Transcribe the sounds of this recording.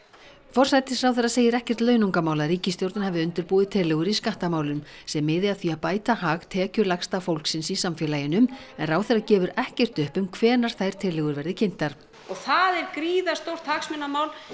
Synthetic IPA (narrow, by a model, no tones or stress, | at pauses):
fɔr̥sajt̪ɪsɾawθɛrːaseːjɪɾɛhcɛr̥t̪lœːɥnuŋkamaːwlaɾiːcɪst̪jowɾt̪nahavɪʏnt̪ɪɾpuːðɪt̪ʰɪlːɛɣʏɾiskaht̪amaːwlʏm | sɛmːɪːðɪaðθviapaːjt̪ahaːɣt̪ʰɛːcʏlaxst̪afowlksɪnsisamfjɛlaːjɪnʏmɛnrawθɛrːacɛːvʏɾɛhcɛr̥t̪ʏhpʏmkʰvɛːnaɾ̥θajɾ̥t̪ʰɪlɛɣʏɾvɛɾðɪcʰɪn̥t̪aɾ̥ | ɔɣθaðɛɾkɾiːðast̪owr̥t̪haksmɪnːamaːwl